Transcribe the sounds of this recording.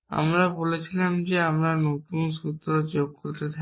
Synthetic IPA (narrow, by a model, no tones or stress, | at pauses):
a̰mɾabolet͡ɕʰilamd͡ʑeamɾanotunsut̪ɾot͡ɕoɡ̚koɾt̪et̪ʰa